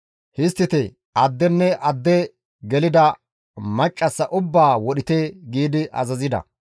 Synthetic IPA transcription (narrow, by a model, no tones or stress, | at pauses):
hɪst̪ːɪt̪ɪ | ɐd̪ːɛnːɛʔɐd̪ːɛ | ɡɛlɪd̪ɐ | mɐt͡ʃʼːɐsːɐʔʊbːaːwɔɗɪt̪eɡiːd̪ɪʔɐ̰zɐzɪd̪ɐ̰